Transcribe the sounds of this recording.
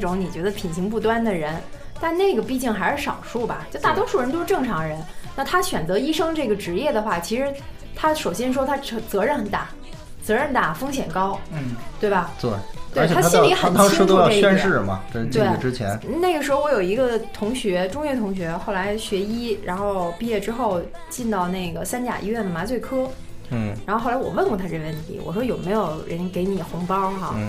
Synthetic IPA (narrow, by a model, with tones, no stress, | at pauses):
ʈ͡ʂʊ˧˥ŋni˨˩t͡ɕɥɛ˧˥d̪ə˧pʰi˨˩nɕi˧˥ŋp̬u˥˧˩t̪̬wa˥nd̪ə˨ɻə˧˥n | t̪a˥˧nne˥˩ɪɡə˩pi˥˧t͡ɕi˥˩ŋxa˧˥ɪʂɻ̩˥˩ʂɑ˨˩ʊʂu˥˩bɐ̰˩t͡ɕjo˥˩ʊt̪a˥˩t̪wɔ˥ʂu˥˩ɻə˧˥nt̪o˥ʂɻ̩˥˧ʈ͡ʂɤ˥˩ŋʈ͡ʂʰɑ˧˥ŋɻə˧˥nna˥˧t̪ʰa˥ɕɥɛ˨˩nt͡sɤ˧˥i˥ʂɤ˥ŋʈ͡ʂɤ˥˩ɡə˩ʈ͡ʂɻ̩˧˥jɛ˥˩d̪ə˩xwa˥˩t͡ɕʰi˧˥ʂɻ̩˧˥ | t̪ʰa˥ʂo˨˩ʊɕjɛ˥nʂ̬wɔ˥t̪ʰa˥˧˩t͡sɤ˧˥ɻə˥˩nxə˨˩nt̪a˥˩ | t͡sɤ˧˥ɻə˥˧nt̪a˥˩fɤ˥ŋɕ̬jɛ˨˩nkɑ˥ʊ˩t̪we˥˩ɪbɐ˩t̪we˥˩t̪we˥˩˧t͡ɕʰj̪ʰa˥˩˥lli˧˥xə˧˩˥ŋt̪ʰɑ˥ŋ̩˥t̪o˥ɑ˥˧e˥˧ɛ˥˧nʂɻ̩˥˩mɐ̰˩t͡ɕt͡ɕ̪we˥˩˨ʈ͡ʂɻ̩˥t͡ɕʰjɛ̰˧˥nn̩˥˨˩ne˥˩ɪɡə˩ʂɻ̩˧˥xʊwɔ˧˥jo˨˩ʊi˧˥ɡə˧t̪ʰʊ˧˥ŋɕɥɛ˧˥ʈ͡ʂʊ˥ŋjɥɛ˥˩t̪ʰʊ˧˥ŋɕ̬ɥɛ˧˥xo˥˩la˧˥ɪɕɥɛ˧˥i˥ɻa˧˥nxo˥˧ʊpi˥˧jɛ˥˩ʈ͡ʂɻ̩˥xo˥˩ʊ | t͡ɕi˥˧nt̪ɑ˥˧ʊne˥˩ɪɡə˩sa˥nt͡ɕja̰˨˩ʔḭ˧˥ɥɛ˥˩nd̪ə˩ma˧˥t͡swe˥˩ɪkʰɤ˥˩ | ɻa˧˥xo˥˧xla˧˥ɪwɔ̰˨˩wə˥˩nkwɔ˧˩t̪ʰa˥ʈ͡ʂe˥˩ɡəwə˥˩nt̪ʰi˧˥wɔ̰˨˩ʂwɔ˥jo˨˩ʊme˧˥ɪjo˨˩ʊɻə˧˥nke˧˥ɪni˨˩xʊ˧˥ŋpɑ˥ʊxa˥˧˩